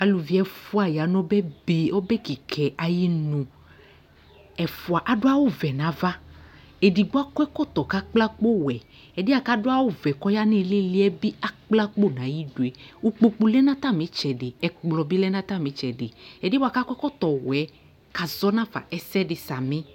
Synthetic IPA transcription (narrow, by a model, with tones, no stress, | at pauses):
a˨lu˨vi˨˦ɛ˦fu˦a˨ja˨nɔ̃˦bɛ˦be˨ɔ˦be˦ki˨kʰɛ˨ʔa˨je˦nõ˨ | ɛ˨fu˨a˨ʔa˨ɖo˦a˦wo˦vɛ˨nã˨va˦ | e˨di˨ɡ͡bo˦a˦kɔ˦ɛ˦kɔ˦t̪ɔ˨ka˦k͡pla˦k͡po˦wɛ˨ | ɛ˨de˦a˨ka˦do˦a˦wo˦vɛ˨kɔ˦ja˦nẽ˨li˦li˦ɛ˦bi˦a˦k͡pla˦k͡po˦˨nã˨ji˦do˨e˨u˦k͡po˨k͡pu˨lɛ˦nã˦t̪a˦˨mẽ˨˦t͡ʃɛ˨ɖe˨ɛ˨k͡plɔ˨bi˦lɛ˦nã˦t̪a˦˨mẽ˨˦t͡ʃɛ˨de˨ɛ˨de˦wa˨ka˦kɔ˦ɛ˦kɔ˦t̪ɔ˨wɛ˨˦ | ka˨zɔ˦nã˦va̰˨ɛ˨sɛ˦ɖe˨sa˨mẽ˦